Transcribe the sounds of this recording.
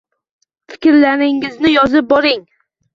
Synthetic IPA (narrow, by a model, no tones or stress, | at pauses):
fɪ̥kʲɾlanɪŋɪznɪjɒzɪp̚bɒɾɪŋ